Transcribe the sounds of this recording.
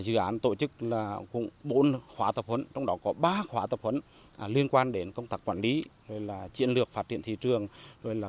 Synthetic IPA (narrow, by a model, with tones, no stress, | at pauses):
zɨ̰˧˨ʔaː˨˦nt̪o̰˧˨t͡ɕɨ˦˥k̚laː˨˩kʊ̰˧˥˨ŋ͡mɓo˨˦nxwaː˨˦t̪ə˨˩p̚hə˨˦nt͡ɕɔ˧wŋ͡mɗɔ˨˦kɔ˨˦ɓaː˧xwaː˨˦t̪ə˨˩p̚hwə˨˦n˨ | li˧ənkwaː˧nɗe˨˦nkə˧wŋ͡mt̪aː˦˥kːwaː˧˩nli˨˦zo˧˨˩jlaː˨˩t͡ɕḭ˧˨ənlɨ˨˩ək̚faː˦t̚t͡ɕḭ˧˨ənt̪ʰi˧˨t͡ɕɨ˨˩əŋzo˧˩jlaː˨˩